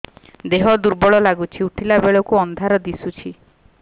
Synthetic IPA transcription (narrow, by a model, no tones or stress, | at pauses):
d̪eɦɔd̪uɾbɔɭɔlaɡut͡ʃʰiuʈʰilabeɭɔkuɔnd̪ʱaɾɔd̪isut͡ʃʰi